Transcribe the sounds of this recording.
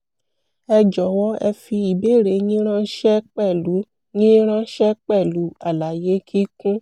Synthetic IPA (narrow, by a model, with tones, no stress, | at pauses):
ɛ˧d͡ʒɔ˨wɔ˧˦ɛ˧fi˧i˨be˨˦˨ɾe˨˦nĩ˦ɾ̃ã˦ʃɛ˦k͡pɛ˦˨lu˨˦ | nĩ˦ɾ̃ã˦ʃɛ˦k͡pɛ˦˨lu˨˦a˦˨la˨je˨˦kʰi˦kũ˦